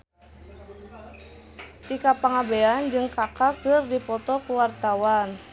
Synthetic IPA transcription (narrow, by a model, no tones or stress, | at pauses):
t̪ikapaŋabeand͡ʒɨŋkakakɨrdipɔt̪ɔkuwart̪awan